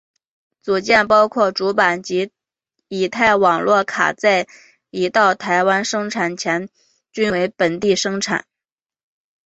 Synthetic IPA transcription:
t͡su˨˩t͡ɕjɛ˥˩npɑ˥ʊkʰwɔ˥˩ʈ͡ʂu˧˥pa˨˩nt͡ɕi˧˥ | i˨˩t̪ʰa˥˩ɪwɑ˨˩ŋlwɔ˥˩kʰa̰˨˩t͡sa˥˩ɪ | i˧˥t̪ɑ˥˩ʊt̪ʰa˧˥ɪwa˥nʂɤ˥ŋʈ͡ʂʰa˨˩nt͡ɕʰjɛ˧˥n | t͡ɕy˥nwe˧˥ɪpə˨˩nt̪i˥˩ʂɤ˥ŋʈ͡ʂʰa̰˨˩˦n

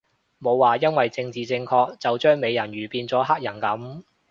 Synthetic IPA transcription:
mo˨˧wːaː˨jɐ˥nwɐ˨jt͡sɪ˧ŋt͡siː˨t͡sɪ˧ŋkʰɔː˧k̚t͡sɐ˨wt͡ʃœː˥ŋme˨˧jɐ˨˩nɥyː˨˩piː˧nt͡sɔː˨˥ɦaː˥k̚jɐ˨˩nkɐ˨˥m

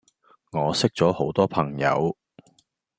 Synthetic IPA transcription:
ŋɔː˨˧sɪ˥k̚t͡sɔː˨˥ho˨˥wt̪ɔː˥pʰɐ˨˩ŋjɐ̰˨˧w

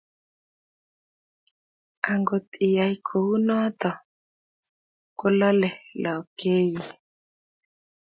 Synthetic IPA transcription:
a˨ŋɡo˨t̪ɪ˨ja˨i˦kʰo˨wu˦nɔ˦t̪ɔ˨ | kʊ˦lɔ˦lɛ˨lʔɔ˨ke˦ji˨

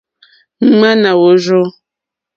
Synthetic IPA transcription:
ŋ͡m̩˦ŋ͡ma˦na˨wo˨˦ʒo˦

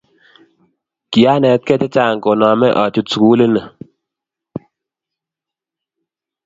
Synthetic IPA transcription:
ki˨a˦nɛ˨t̚kɛ˦tɛ˦t͡ʃa˦˨ŋko˨na˨mɛ˦ʔa˨t͡ʃu˨˦tsu˨ku˦le˦nə˨

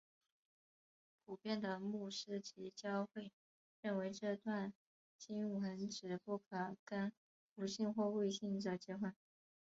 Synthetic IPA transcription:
pʰu˨˩pjɛ˥˩nd̪ə˩mu˥˩ʂɻ̩˥t͡ɕʰi˧˥t͡ɕjɑ˥ʊxwe˥˩ɪ | ɻə˥˩nwe˧˥ɪʈ͡ʂɤ˥˧t̪wa˥˧n | t͡ɕi˥ŋu˥˩xə˧˥nʈ͡ʂɻ̩˨˩pu˥˩kʰɤ˨˩kə˥n | fu˧˥ɕi˥˧nxwɔ˥˧kwe˥˧ɪɕi˥˩ŋdə˨˩t͡ɕjɛ˥xwə˥˩n

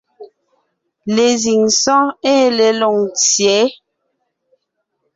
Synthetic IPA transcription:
le˨zi˨ŋsɔ̃˦e˦˨le˨lo˨ŋt͡sjɛ˨˦

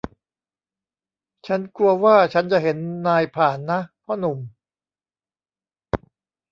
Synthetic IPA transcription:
t͡ɕʰa˦˥nku˧ɐwaː˥˩t͡ɕʰa˦˥nt͡ɕa˨˩ɦe˩˦nːaː˧jpʰaː˨˩nːa˦˥pʰɔː˥˩nu˨˩m

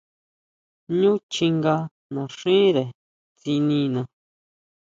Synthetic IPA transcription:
ɲũ˦t͡ʃi˧ŋɡa˧ | nã˨ʂĩ˦ɾe˨ | t͡si˧nĩ˧nã˧

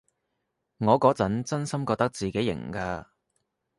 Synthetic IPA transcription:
ŋɔː˨˧kɔː˨˥t͡sɐ˨˥nt͡sɐ˥nsɐ˥mkɔː˧k̚t̪ɐ˥k̚t͡siː˨ke˨˥jɪ̰˨˩ŋkaː˧

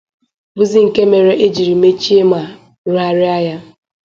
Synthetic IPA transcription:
bu˦zi˦ŋ̩˨ke˦me˨ɾe˦ʔe˦d͡ʒi˨ɾi˨me˦t͡ʃi˦e˦ma˨ | ɾa˦ɾɪ˦a˦ja˦

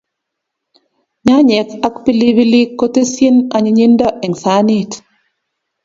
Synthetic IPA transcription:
ɲa˦ɲɛ˨ka˦kpi˦li˦βi˦li˦kːo˦te˦sje˦na˨ɲi˨ɲi˦ndɔ˦ʔɛ˨ŋsa˨˦ni˦˨t

